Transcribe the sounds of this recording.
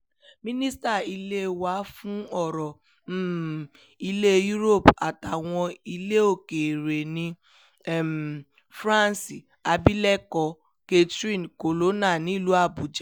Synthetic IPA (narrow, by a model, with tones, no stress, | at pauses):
mĩ˦nĩ˦sta˦˨i˧le˦wa˨˦fũ˦ɔ˦˨ɾɔ˨˦ | i˧le˦ju˦ɾo˦˨pa˨ta˨w̃ɔ̃˧i˧le˦o˦˨ke˨ɾe˨nĩ˧˦˨ | m | fɾã˦nsi˨ | a˨bi˦lɛ˦kɔ˧ | ke˦tɾĩ˦nko˨lo˦na˦˨nĩ˨˦˨lu˨˦a˦˨bu˨d͡ʒe˨˦